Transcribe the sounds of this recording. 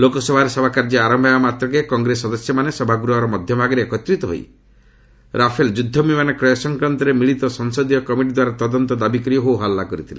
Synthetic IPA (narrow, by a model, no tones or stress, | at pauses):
lokɔsɔbʱaɾesɔbʱakaɾd͡ʒɔaɾɔmbʱabamat̪ɾɔk̬ekɔŋɡɾesɔd̪ɔsjɔmanesɔbʱaɡuɾɔɔɾɔmɔd̪ʱjɔbʱaɡɔɾeekɔt̪ɾit̪ɔɦo̰j | ɾapʰeld͡ʒud̪ʱːɔmimanekɾɔjɔsɔŋkɾant̪ɔɾemiɭit̪ɔsɔŋsɔd̪ijɔkɔmiʈid̪waɾat̪ɔd̪ɔnt̪ɔd̪abikɔɾiɔɦowɦalːakɔɾit̪ʰilḛ